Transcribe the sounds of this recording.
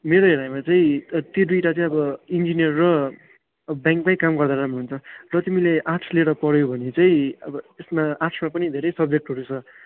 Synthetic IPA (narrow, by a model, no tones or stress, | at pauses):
meɾoeɾajmat͡saĩt̪jod̪ujʈat͡saĩʌbʌind͡zinijʌrːʌ | bjãŋk̚bajkamɡʌrd̪aɾamuɦunt͡sʰʌrʌt̪imileʔaʈʰleɽʌpʌɽjobʱʌnet͡saĩʌbʌesmaasʰmapʌnid̪ʱeɾʌjsʌb̚d͡zek̚ʈɦʌɾut͡sʰʌ